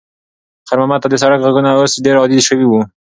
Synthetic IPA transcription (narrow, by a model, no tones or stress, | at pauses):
xaɾmamat̪ad̪əs̬aɾakʁaɡunaosɖeɾɑd̪id̪ʃəwiwu